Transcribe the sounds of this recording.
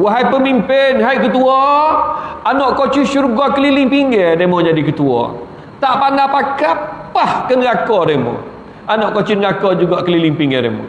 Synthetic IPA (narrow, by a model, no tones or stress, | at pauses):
waɦajpəmimpɪnɦajʔkət̪uɔ | anɔʔkot͡ʃiʃuɾuɡakəlilɪŋpiŋɡɛdemɔd͡ʒadikət̪uɔ̰ | t̪aʔpanapakapahkənɡakɔdemɔ̰ | anɔʔkot͡ʃinɡakɔd͡ʒuɡaʔkəliliŋpiŋɡɛɾḛmɔ̰